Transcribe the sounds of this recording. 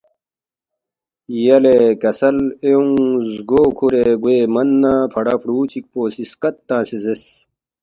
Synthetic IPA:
jɐlekɐsɐleuŋzɡoːkʰuɾeɡweːmɐnːãːpʰɐɽapʰɽuːt͡ɕʰik̚poːsiskɐt̪ːãːsizes

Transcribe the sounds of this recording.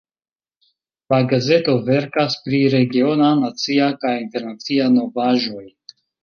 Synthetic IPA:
laɡaze̞to̞ve̞ɾkaspɾiɾe̞ɡio̞nanat͡siakajinte̞ɾnat͡siano̞vaʒo̞j

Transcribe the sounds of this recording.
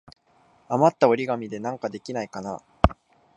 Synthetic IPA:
amat̪ːaoɾʲiɡamʲid̪e̞nãŋkad̪e̞kʲinaikana̰

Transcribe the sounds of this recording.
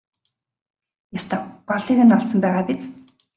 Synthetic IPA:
jast̪ʰaɢɔɮiːɣɘ̆nɔɮsɞ̆mpæːʁaːpit͡s

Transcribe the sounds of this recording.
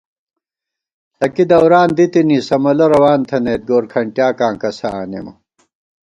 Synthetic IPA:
tɐkid̪ɐwɾaːnd̪it̪iniːsɐmɐlɐɾɐwaːnt̪ʰɐneːt̪̚ɡoːɾkʰɐɳʈjaːkãːkɐsaːnḛmɐ̰

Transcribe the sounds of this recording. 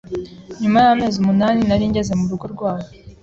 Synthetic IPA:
ɲumajame̞ːzumunaːninaɾiːɲɟe̞ze̞muɾuɡo̞ɾɡwaːɾa

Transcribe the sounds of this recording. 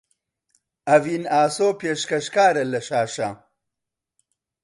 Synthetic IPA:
ɐvinaːsoːpeːʃkɐʃkaːɾɐlɐʃaːʃa

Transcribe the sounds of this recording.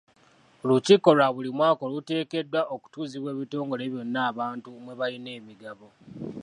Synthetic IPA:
luciko̞laβulimwaːko̞lute̞ːke̞dːwaʔoku̥tuːziβwe̞ːβito̞ːŋɡo̞le̞βjo̞nːaːβaːntumwe̞βaline̞ːmiɡaβo̞

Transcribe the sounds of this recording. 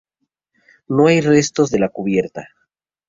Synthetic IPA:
no̞ajre̞st̪o̞zðe̞lakuβje̞ɾt̪a

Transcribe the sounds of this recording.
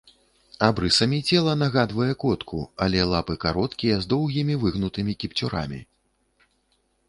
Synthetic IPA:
abɾɨsɐmʲit͡sʲɛlˠɐnaɣad̪vɐjɛkɔt̪kʰṵalʲɛlˠapɨkaɾɔt̪kʲijɛzd̪ɔwɣʲimʲivɨɣnut̪ɨmʲikʲipt͡sʲuɾa̰mʲḭ

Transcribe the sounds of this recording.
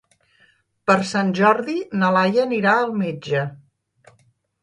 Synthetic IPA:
pəɾsanʲʒɔɾðinəlajəniɾaəlˠmed͡ʒə

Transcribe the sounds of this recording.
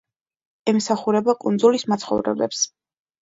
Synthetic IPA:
ɛmsaχuɾɛbakʼund̪zulismat̪sʰχɔ̰vɾɛ̰blɛps

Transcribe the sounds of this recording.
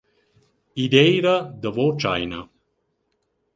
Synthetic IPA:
id̪ɛjɾəd̪ɐvɔt͡ʃa̰jnə̰

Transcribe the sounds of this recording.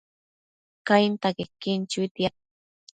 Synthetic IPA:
kajnt̪akɪkːɪnt͡ʃʊit̪ja

